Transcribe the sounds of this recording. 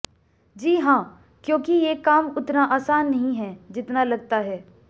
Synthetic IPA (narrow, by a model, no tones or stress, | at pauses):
d͡ʒiːɦãː | kjõːkijekaːmʊt̪naʔaːsaːnːɐɦĩɦɛd͡ʒɪt̪nalɐɡ̚t̪aɦɛː